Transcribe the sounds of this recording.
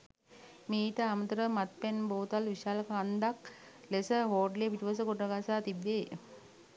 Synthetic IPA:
meːit̪əamət̪əɾəmat̪penboːt̪alʋiʃaːləkand̪aklesəɦoːɖlepiʈiʋəs̬əkoʈəɡasaːt̪ibːeː

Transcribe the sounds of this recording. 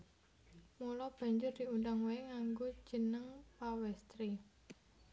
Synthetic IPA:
mulɔb̥a̤ɲd͡ʒʊrd̪̥iundaŋweɪŋaŋɡod̥ʒ̥ənəŋpawɛst̪ɾi

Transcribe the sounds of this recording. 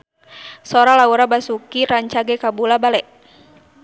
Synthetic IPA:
sɔɾalauɾabasukiɾaɲt͡ʃaɡɛkabulabalɛʔ

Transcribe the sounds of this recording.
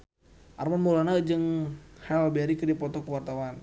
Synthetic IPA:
ʔarmanmulanad͡ʒɨŋhɛlbɛɾikədiapɔt̪ɔkəwart̪awan

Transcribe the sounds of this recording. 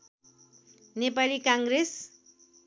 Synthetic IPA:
nepalikãŋɡrɾes

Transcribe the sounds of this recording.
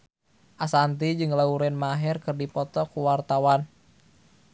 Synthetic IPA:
ʔasant̪id͡ʒɨŋlauɾɛnmaɦɛrkɨrdipɔt̪ɔkuwart̪awan

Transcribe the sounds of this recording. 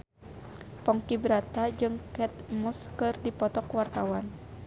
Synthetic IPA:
pɔŋkibɾat̪ad͡ʒɨŋkɛt̪̚muskɨrdipɔt̪ɔkwart̪awan

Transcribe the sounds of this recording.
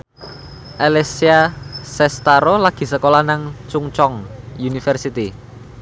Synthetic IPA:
ʔalesiasɛst̪aɾolaɡ̥i̤səkolahnaŋt͡ʃuŋt͡ʃɔŋjunifərsit̪i

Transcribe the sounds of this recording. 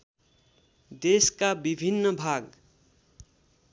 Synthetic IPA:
d̪eskabibʱinːʌbʱaɡ

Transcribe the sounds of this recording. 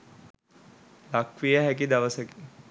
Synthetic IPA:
lakʋijəɦækid̪ɐʋəsəki

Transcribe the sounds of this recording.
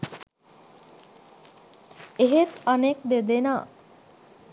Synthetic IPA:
eɦet̪anek̚d̪ed̪ena

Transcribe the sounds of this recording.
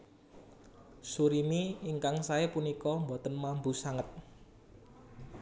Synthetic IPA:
suɾimiiŋkaŋsaepunikɔmbot̪ənmambusaŋət̪̚

